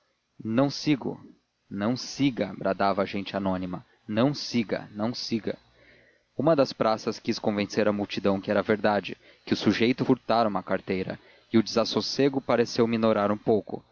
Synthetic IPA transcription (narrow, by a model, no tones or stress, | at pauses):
nɐ̃w̃siɡʊ̰ | nɐ̃w̃siɡɐabɾʔad̪avɐːʒẽñt͡ʃɪanõnimɐ | nɐ̃w̃siɡɐ̰nɐ̃w̃siɡɐ̰ | ũmɐd̪ɐspɾasɐskiskõvẽseɾɐmuwt͡ʃid̪ɐ̃w̃kɪɛɾɐveɾd̪ad͡ʒɪ | kɪʊsuʒejt̪ʊfuɾt̪aɾɐũmɐkaɾt̪ejɾɐ̰ | ɪʊd͡ʒɪzasoseɡʊpaɾesewminoɾaɾũpowkʊ̰